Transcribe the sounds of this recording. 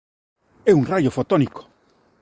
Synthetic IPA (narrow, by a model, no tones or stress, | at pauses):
ɛuŋrajofot̪oniko̥